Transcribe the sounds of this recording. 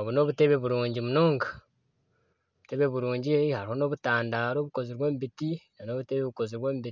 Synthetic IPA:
oβuno̞ːβute̞βe̞βuɾuːɲɟimuno̞ːŋɡḁ | oβute̞βe̞βuɾuːɲɟihaɾiho̞no̞βutaːndaːɾo̞ːβuko̞ziɾwe̞ːmbitinano̞ːβute̞βeβuko̞ziɾβweːmbii

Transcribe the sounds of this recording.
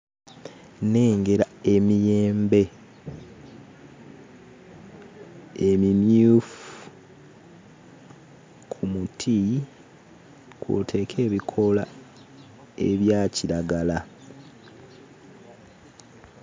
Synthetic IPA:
neːŋɡe̞ɾae̞mije̞ːmbe̞ | emimjuf | kʰumutʰi | kwo̰tʰe̞ːkʰe̞ːβikʰo̞la | e̞βjaːciɾaɡala

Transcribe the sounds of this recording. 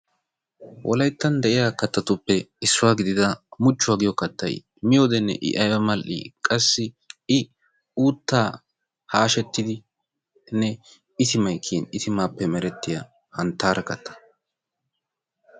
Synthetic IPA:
wʔɔ̰lɐjt̪ːɐnd̪ɛʔɪjaːkɐt̪ːɐt̪ʊpːɛɪsːʊwaːɡɪd̪ɪd̪ɐmʊt͡ʃːʊwaːɡɪjɔkːɐt̪ːɐ̰j | mɪjoːd̪ɛnːɛ̰ʔɪ̰ʔɐjwɐmɐlʔḭːkʼɐsːɪ | ɪ | uːt̪ːaː | haːʃɛt̪ːɪd̪ɪ | nɛ | ɪt̪ɪmɐjkʰiːnɪt̪ɪmaːpːɛmɛɾɛt̪ːɪja̰ | hɐnt̪ːaːɾʔɐkɐt̪ːɐ̥

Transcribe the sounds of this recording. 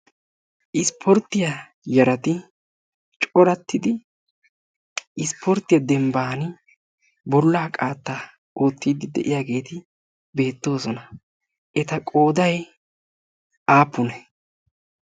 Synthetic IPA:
ʔɪspʰɔɾt̪ːɪjɐ | jɐɾɐt̪ɪ | t͡ʃʼɔɾɐt̪ːɪd̪ɪ | ɪspʰɔɾt̪ːɪjɐd̪ɛmbaːnɪ | bɔlːaːkʼaːt̪ːa | ʔoːt̪ːiːd̪ɪd̪ɛ̰ʔɪjaːɡe̞ːt̪ɪ | be̞ːt̪ːo̞ːsɔnɐ | ʔɛt̪ɐkʼo̞ːd̪ɐj | aːpːʊnɛ

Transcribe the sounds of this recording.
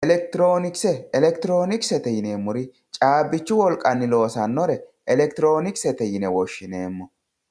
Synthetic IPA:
ʔɛlɛk̚t̪ɪɾo̞ːnɪksɛɛlɛkt̪ɪɾo̞ːnɪksɛt̪ɛjɪneːmːʊɾɪ | t͡ʃʼaːbːɪt͡ʃːʊwɔlkʼɐnːɪlo̞ːsɐnːɔɾɛʔɛlɛkt̪ɪɾo̞ːnɪksɛt̪ɛjɪnɛwɔʃːɪne̞ːmːɔ

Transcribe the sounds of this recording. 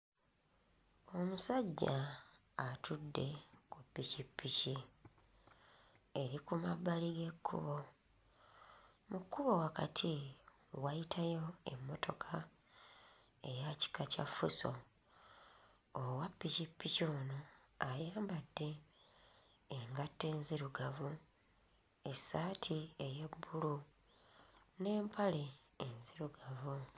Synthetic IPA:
o̞musaɟːaː | tʰudːe̞kupːicipːici | eɾikumaβːaliɡe̞kːṵβo̞ | mukːuβo̞wakatʰi | wajitʰajo̞e̞̰mːo̞tʰo̞kʰa | e̞jaci̥kaca̰fṵso̰ | owapːicipːicoːno | ajaːmbadːe̞ | ŋɡatːe̞ːnziɾuɡavu | esːaːtʰieje̞bːulu | ne̞ːmpʰale̞ː | nziɾuɡavu

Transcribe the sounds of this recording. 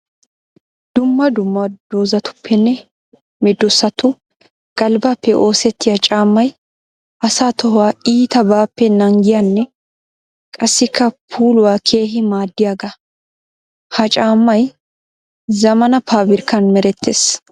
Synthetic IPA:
d̪̥ʊmːɐd̪ʊmːɐd̪oːzɐt̪ʊ̥pʰːɛnːɛ | mɛd̪ːʊsːɐt̪ʊ | ɡ̥ɐlbɐpːɛʔo̞ːsɛt̪ʰːɪjɐt͡ʃʼaːmːɐj | ʔɐsaːt̪ɔɦʊwaːiːt̪ɐbaːpːɛnɐŋɡɪjɐnːɛ | kʼɐsːɪkʰːɐpʰuːlʊwaːkʰe̞ːɦɪmaːd̪ːɪjaɡɐ | hɐt͡ʃʼaːmːɐj | zɐmɐnɐpʰaːbɪɾkːɐnmɛɾɛt̪ːeːs

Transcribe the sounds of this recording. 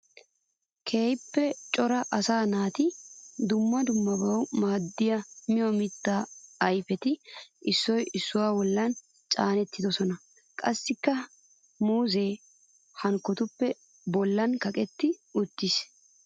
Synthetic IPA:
kʰe̞ːjpːɛt͡ʃʼɔɾɐʔɐsaːnaːt̪ɪd̪ʊmːɐd̪ʊmːɐbɐwmaːd̪ːɪjɐmɪjɔmɪt̪ːaːɐjfɛt̪ɪʔɪsːɔjɪsːʊwaːbɔlːɐn | t͡ʃʼaːnɛt̪ːɪd̪ɔsɔnɐ | kʼɐsːɪkːɐ | muːze̞ː | hɐŋkːɔt̪ʊpːɛ | bɔlːɐnkɐkʼɛt̪ːɪʊt̪ːɪs

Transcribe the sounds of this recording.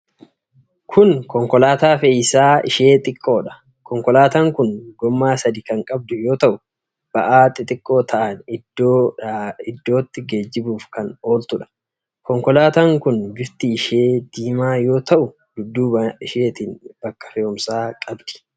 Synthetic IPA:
kʰʊnkɔŋkɔlaːt̪aːfejɪsaːɪ̰ʃe̞ːt̪ʼɪkʼːo̞ːᶑɐ̥ | kɔŋkɔlaːt̪aːŋkʊnɡɔmːaːsɐd̪ɪkɐŋkʼɐb̚d̪ʊjo̞ːt̪ɐʔʊ | b̥ɐʔaːt̪ʼːɪt̪ʼɪkʼːoːt̪ʰɐʔɐnɪd̪o | ɪd̪ːo̞ːt̪ːɪɡe̞ːd͡ʒːɪbuːfkɐno̞ːlt̪ʊᶑɐ̥ | kɔŋkɔlaːt̪aːŋkʊnbɪɾt̪iːʃeːd̪̥iːmaːjo̞ːt̪ɐʔʊ | d̪ʊd̪ːuːɪʃeːt̪iːnb̥ɐkːɐ̥fɛɔmsaːkʼɐbd̪ɪ̥

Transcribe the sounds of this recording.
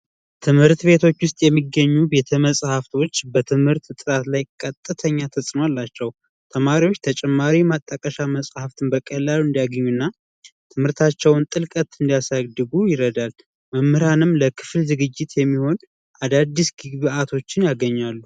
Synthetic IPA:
t̪ʰɨmhɨɾt̪be̞t̪ʰo̞t͡ʃːwʊst̪ʼjɛmːiɡəɲːube̞t̪ʰəməsʼhaft̪ʰo̞t͡ʃːbət̪ʰɨmhɨɾt̪t̪ʼɨɾat̪lajkʼət̪ʼːɨt̪ʰəɲːat̪ʰəsʼɨnalːat͡ʃːɛw | t̪ʰəmaɾiwo̞t͡ʃːt̪ʰət͡ʃʼɛmːaɾimat̪ʼːəkʼəʃaməsʼhaft̪ʰɨnbəkʼəlːaluɨnd̪ijaɡəɲːunːa | t̪ʰɨmhɨɾt̪ʰat͡ʃːɛwnt̪ʼɨlkʼət̪ɨnd̪ijasaɡd̪ɨɡujɪɾəd̪al | məmːɨɾanɨmləkʰɨ̥flzɨɡɨd͡ʒːɪt̪jɛmːiho̞n | ʔad̪ad̪ːisɡɨɡbɨat̪ʰo̞t͡ʃːɪnjaɡəɲːalːu

